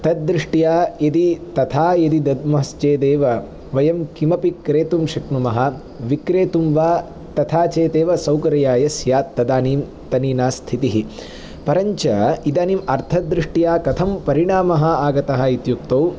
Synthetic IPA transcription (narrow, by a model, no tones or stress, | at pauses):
t̪ɐd̪̚dːɾiʂʈijaːjɐd̪it̪ɐt̪ʰaːjɐd̪id̪ɐd̪̚mɐɦɐst͡ʃeːd̪eːʋɐ | ʋɐjɐmkimɐpikɾeːt̪umʃɐknumɐɦɐ̆ | ʋikɾeːt̪umʋaː | t̪ɐt̪ʰaːt͡ʃeːt̪eːʋɐsɐwkɐɾɐjaːjɐsjaːt̪ːɐd̪aːniːm | t̪ɐniːnaːst̪ʰit̪iɦi | pɐɾɐɲt͡ʃɐid̪aːniːmɐɾt̪ʰɐd̪ɾiʂʈijaːkɐt̪ʰɐmpɐɾiɳaːmɐɦɐ̆aːɡɐt̪ɐɦɐ̆it̪jukt̪ɐw